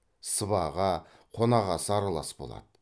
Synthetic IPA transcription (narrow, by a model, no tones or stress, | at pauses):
səβɑʁɑ | qʰo̞nɑʁɑsəɑɾɑlˠɑsbo̞̰lˠɑ̰d̪ə